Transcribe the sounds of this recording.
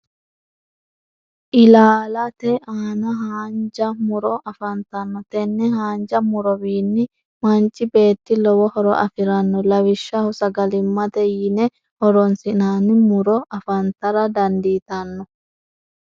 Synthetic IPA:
ʔɪlaːlɐt̪ɛaːnɐɦaːnd͡ʒɐmʊɾɔʔɐfɐnt̪ɐnːɔt̪ɛnːɛɦaːnd͡ʒɐmʊɾɔwiːnːɪ | mɐnt͡ʃʼːɪbe̞ːt̪ːɪlɔwɔhɔɾɔ̰ʔɐfɪɾɐnːɔlɐwɪʃːɐhʊsɐɡɐlɪmːɐt̪ɛjɪnɛ | hɔɾɔnsɪnaːnɪmʊɾɔɐfɐnt̪ɐɾɐd̪ɐnd̪iːt̪ɐnːɔ

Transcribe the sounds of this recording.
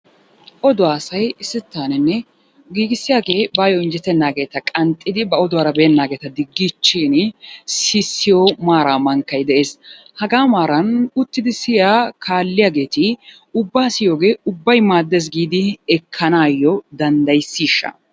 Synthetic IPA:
ʔɔd̪ʊwaːsɐjɪsːɪt̪ːaːnɛnːɛ | ɡiːɡɪsːɪjaːɡe̞ːbaːjɔɪnd͡ʒɛt̪ːɛnːaːɡe̞ːt̪ɐkʼɐnt̪ʼːɪd̪ɪbɐɔd̪ʊwaːɾɐbɛːɛnːaːɡeːt̪ɐd̪ɪɡːɪt͡ʃːiːnsɪsːɪjomaːɾaːmɐŋkːɐjd̪ɛʔe̞ːs | hɐɡaːmaːɾɐnʊt̪ːɪd̪ɪsɪjaːkʰaːlːɪjaːɡe̞ːt̪ɪ | ʊbːaːsɪjoːɡe̞ːʊbːɐjmaːd̪ːes̬ɡiːd̪ɪɛkʰːɐnaːjːɔd̪ɐnd̪ɐjsːiːʃːɐ̰

